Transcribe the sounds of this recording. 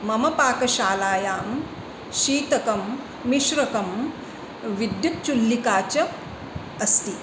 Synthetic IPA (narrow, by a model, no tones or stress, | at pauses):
mɐmɐpaːkɐʃaːlaːjaːm | ʃiːt̪ɐkɐmː | iʃɾɐkɐm | ʋid̪jut̪̚t͡ʃulːikaːt͡ʃɐ | ɐst̪i